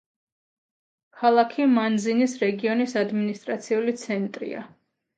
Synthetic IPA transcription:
kʰalˠakʰimanzinisɾɛɡiɔnisad̪minist̪ʼɾat̪sʰiulit̪sʰɛnt̪ʼɾḭa̰

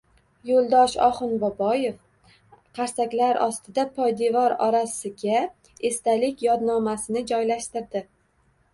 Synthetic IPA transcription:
jolˠd̪ɒʃɒ̰χɨnbɒbɒje̞f | qʰɑɾsakʲlaɾʔɒst̪ʰɪd̪apʰɒjd̪evɒɾɒɾasɪɡʲa | e̞st̪alɪkʲjɒd̪nɒmasɪnɪd͡ʒɒjlaʃt̪ɪɾd̪ɪ

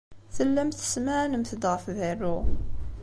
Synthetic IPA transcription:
θəlːæmθə̥smæʕnəmθəd̪ʁəfðirːu

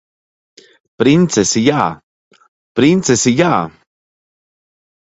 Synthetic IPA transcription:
pɾint͡sesija | pɾint͡sesija

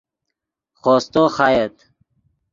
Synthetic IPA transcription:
χoːst̪oxajet̪

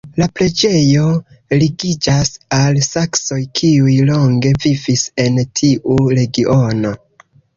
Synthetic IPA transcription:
lapɾe̞d͡ʒe̞jo̞ | liɡid͡ʒasalsakso̞jkʰiujlo̞ŋɡe̞vivise̞ntʰiʔuɾe̞ɡiʔo̞no̞

